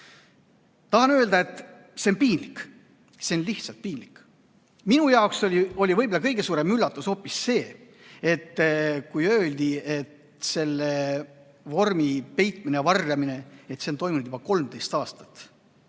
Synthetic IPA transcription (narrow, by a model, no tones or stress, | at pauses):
t̪ɑhɑnøːld̪ɑe̞t̪ːˑ | se̞onpiːnlikː | se̞onliht̪sɑt̪̚piːnlikː | minujɑokso̞lʲio̞lʲivɤjbolːɑkɤjɡ̥e̞suːɾe̞mylːɑt̪ːˑuso̞ːpːˑisːe̞ː | e̞t̪ːkujø̞ːld̪̥ie̞t̪ | se̞lːe | vo̞rmipe̞jt̪ˑminejvɑrjɑmine̞e̞t̪se̞nt̪o̞jminud̪jub̥ɑko̞lmd̪e̞jst̪ɑːst̪ɑ̥t̪